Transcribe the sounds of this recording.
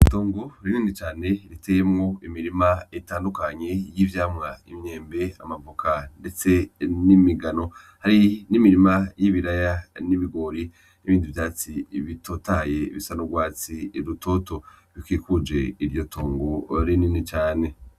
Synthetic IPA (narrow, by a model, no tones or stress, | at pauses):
toːŋɡoɾininit͡ʃaːne̞ɾitʰejemŋo̞imiɾimaetaːndukaɲe̞jivjaːmŋaimɲe̞ːmbe̞a̰mavokʰande̞t͡se̞nimiɡano̞ | haɾinimiɾimajiβiɾajaniβiɡo̞ɾi | niβiːnduvjaːt͡siβito̞taje̞iβisanoɡwaːt͡siɾutʰo̞to̞ | βikwiːkud͡ʒe̞iɾjo̞tʰoːŋɡoɾininit͡ʃaːne̞